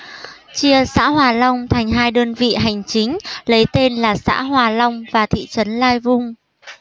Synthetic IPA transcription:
t͡ɕi˧əsa̰ː˧˥hwaː˨˩lə˧wŋ͡mt̪ʰa˨˩ŋ̟ɦaː˧jɗəː˧nvḭ˧˨ɦa˨˩jŋ̟t͡ɕï˨˦ŋ̟lə˨˦jt̪e˧nlaː˨˩sa̰ː˧˥ɦwaː˨˩lə˧wŋ͡mvaː˨˩t̪ʰḭ˧˨t͡ɕə˨˦nlaː˧jvʊ˧ŋ͡m

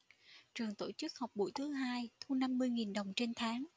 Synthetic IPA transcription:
t͡ɕɨ˨˩əŋt̪o˧˩t͡ɕɨ˦˥k̚hɔ˨˩wk͡p̚ɓṵ˧˩jt̪ʰɨ˨˦ɦaː˧jt̪ʰu˧na˧mːɨ˧əjŋi˨˩nɗə˨˩wŋ͡mt͡ɕe˧nt̪ʰaː˨˦ŋ

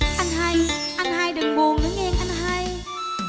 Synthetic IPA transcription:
ʔa˧jŋɦa˧jʔa˧jŋ̟haː˧jɗɨ˨˩ŋɓo˨˩ɗɨ˨˦ŋʔɛ˧ŋʔa˧ŋɦaː˧j

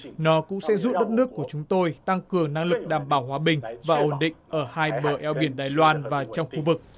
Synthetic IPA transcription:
nɔ˨˦kʊ̰˧˥ŋ͡msɛ̰˧˥zu˦˥t̚ɗə˦˥t̚nɨ˦˥əkːu˧˩ət͡ɕʊ˨˦ŋ͡mt̪o˧jt̪a˧ŋkɨ˨˩əŋna˧ŋlɨ˨˩k̚ɗaː˨˩mɓaː˧˩wɦwaː˨˦ɓï˨˩ŋ̟vaː˨˩ʔo˨˩nɗḭ̈˧˨ŋʔəː˧˩haː˧jɓəː˨˩ʔɛ˨˧˦wɓi˧˩ənɗaː˨˩jlwaː˧nvaː˨˩t͡ɕɔ˧wŋ͡mxu˧vɨ˨˩k̚

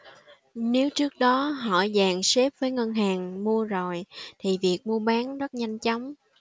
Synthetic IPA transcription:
ne˨˦wt͡ɕɨ˦˥ək̚ɗɔ˨˦ɦɔ̰˧˩zaː˨˩ŋse˦˥p̚vəː˨˦jŋə˧nɦaː˨˩ŋmu˧əzo˨˩jt̪ʰi˨˩vi˨˩ək̚mu˧əɓaː˨˦nzə˦˥t̚ɲa˧jŋ̟t͡ɕɔ˨˦wŋ͡m

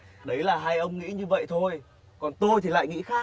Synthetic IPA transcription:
ɗə˨˦jlaː˨˩ɦaː˧jʔə˧wŋ͡mŋḭ˧˥ɲɨ˧və̰˧˨jt̪ʰo˧j | kɔ˨˩nt̪o˧jt̪ʰi˨˩la̰ː˧˨jŋḭ˧˥xaː˦˥

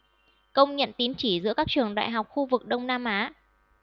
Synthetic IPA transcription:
kə˧wŋ͡mɲə̰˧˨nt̪i˨˦nt͡ɕi˧˩zɨ̰˧˥kaː˦˥k̚t͡ɕɨ˨˩əŋɗa̰ː˧˨jɦa˨˩wk͡p̚xu˧vɨ˨˩k̚ɗə˧wŋ͡mnaː˧mʔaː˨˦

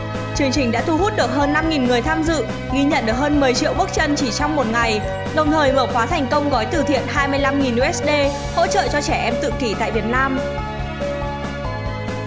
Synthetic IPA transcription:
t͡ɕɨ˨˦əŋt͡ɕï˨˩ŋ̟ɗa̰ː˧˥t̪ʰu˧ɦu˦˥t̚ɗɨ˨˩ək̚ɦəː˧nːa˧mŋi˨˩nŋɨ˨˩əjt̪ʰaː˧mzɨ̰˧˨ | ɣi˧ɲə̰˧˨nɗɨ˨˩ək̚həː˧nmɨ˨˩əjt͡ɕḭ˧˨əwɓɨ˦˥k̚t͡ɕə˧nt͡ɕi˧˩t͡ɕɔ˧wŋ͡mmo˨˩t̚ŋa˨˩j | ɗə˨˩wŋ͡mt̪ʰəː˨˩jməː˧˩xwaː˨˦t̪ʰa˨˩jŋ̟kə˧wŋ͡mɣɔ˨˦jt̪ɨ˨˩t̪ʰḭ˧˨ənɦaː˧jmɨ˧əjla˧mŋi˨˩nʔu˧ʔɛ˦˥sɗe˧ | ho̰˧˥t͡ɕə̰ː˧˨t͡ɕɔ˧t͡ɕɛ˧˩ʔɛ˧mt̪ɨ̰˧˨ki˧˩t̪a̰ː˧˨jvi˨˩ət̚naː˧m

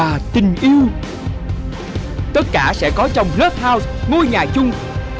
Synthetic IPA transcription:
aː˨˩t̪ï˨˩ŋ̟ʔi˧əw | t̪ə˦˥t̚kaː˧˩sɛ̰˧˥kɔ˨˦t͡ɕɔ˧wŋ͡mlə˦˥p̚haː˧wzŋo˧jɲaː˨˩t͡ɕʊ˧ŋ͡m

